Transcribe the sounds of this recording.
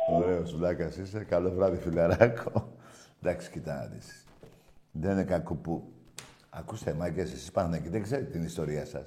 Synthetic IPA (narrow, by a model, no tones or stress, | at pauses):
uɾeosvlɐkɐsisekɐlovɾɐðifilɐɾɐkʰod̪ɐksi̥cit̪ɐnɐ̰ðḭs | ðeninekɐkupu | ɐ̰kust̪emɐɡesisi̥pɐxnekiðeɡze̞ɾet̪et̪inist̪o̞ɾiɐsɐ̰s